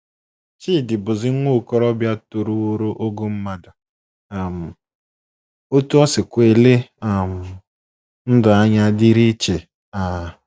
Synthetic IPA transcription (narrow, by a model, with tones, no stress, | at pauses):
t͡ʃiː˦˨dɪ˨bʊ˨zɪ˦ŋʷo˦˨kɔ˦ɾɔ˦bja˦to˨ɾu˦o˦ɾo˦ʔo˦ɡo˦m̩˦ma˦da˨ | m̩˨ | o˦tu˦ɔ˦sɪ˨kʷe˨le˦˨m̩˨ | n̩˦dʊ˨a˦ɲa˦di˦ɾi˦t͡ʃe˨ | a˨